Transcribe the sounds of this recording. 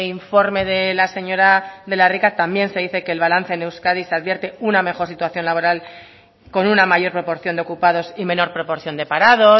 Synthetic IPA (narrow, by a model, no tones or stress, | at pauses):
iɱfo̞ɾme̞ðelase̞ɲo̞ɾaðe̞larikat̪ambje̞nse̞ðiθe̞ke̞ːlβalanθe̞ːne̞wskaðiseaðβje̞ɾt̪e̞uname̞xo̞ɾsit̪waθjo̞nlaβo̞ɾal | ko̞nunamaʝo̞ɾpɾo̞po̞ɾθjo̞nd̪o̞kupaðo̞simẽ̞no̞ɾpɾo̞po̞ɾθjo̞nd̪e̞paɾaðo̞